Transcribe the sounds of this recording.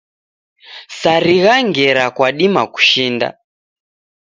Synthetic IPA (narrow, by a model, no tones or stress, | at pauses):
saɾiɣaŋɡɛɾakwaɗimaku̥ʃiːnda̰